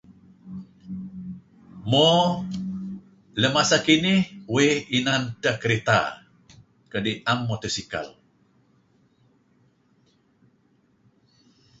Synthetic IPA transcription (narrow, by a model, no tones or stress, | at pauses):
mɔ | ləmasakinɪhweinant̪əhkəɾet̪a̰ | kədiamːɔt̪əsika̰l